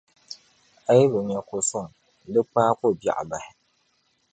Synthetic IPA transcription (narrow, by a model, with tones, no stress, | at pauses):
a˦jbʊ˨ɲɛ˨kʊ˨sʊ˦˨ŋ | lɨ˦k͡paː˦kʊ˦˨bja̰˨ʔa̰˨ba˨hɪ˨